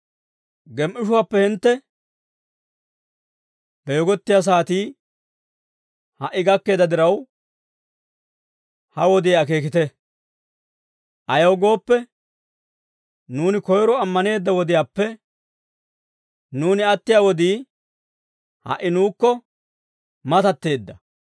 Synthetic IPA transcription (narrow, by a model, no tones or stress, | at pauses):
ɡɛmʔɪʃʊwaːpːɛhɪnt̪ːɛ | b̥ɛjɔɡɔt̪ːɪjaːs̬aːt̪iː | hɐʔːɪɡɐkːe̞ːd̪ɐd̪ɪɾɐw | hɐwɔd̪ɪjɐke̞ːkɪt̪ɛ | ʔɐjɐwɡo̞ːpːɛ | nuːnɪkɔjɾɔɐmːɐne̞ːd̪ːɐwɔd̪ɪjaːpːɛ | nuːnɪɐt̪ːɪjaːwɔd̪iː | hɐ̰ʔːɪnuːkːɔ | mɐt̪ɐt̪ːe̞ːd̪ːɐ